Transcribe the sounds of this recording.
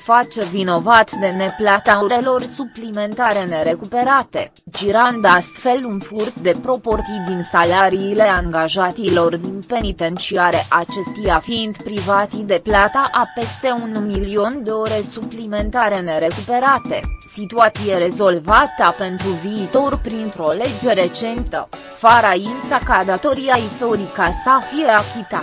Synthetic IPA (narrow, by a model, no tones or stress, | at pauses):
fat͡ʃe̞vino̞vat̪d̪e̞ne̞plat̪auɾe̞lo̞rsuplime̞nt̪aɾe̞ne̞ɾe̞kupe̞ɾat̪e̞ | d͡ʒiɾand̪ast̪fe̞lunfurt̪̚d̪e̞pɾo̞po̞rt̪sijd̪insalaɾiːle̞aŋɡaʒat̪ilo̞rd̪inpe̞nit̪e̞nt͡ʃiaɾe̞ʔat͡ʃe̞st̪ujafiːnd̪pɾivat̪id̪e̞plat̪aʔape̞st̪e̞unmilio̞nd̪e̞o̞ɾe̞suplime̞nt̪aɾe̞ne̞ɾe̞kupe̞ɾat̪e̞̰sit̪uat̪sije̞ɾe̞zo̞lvat̪ape̞nt̪ɾuviːt̪o̞rpɾint̪ɾo̞le̞d͡ʒe̞ɾe̞t͡ʃe̞nt̪ə̰ | faɾainsakad̪at̪o̞ɾijaist̪o̞ɾikast̪afijeakʲit̪a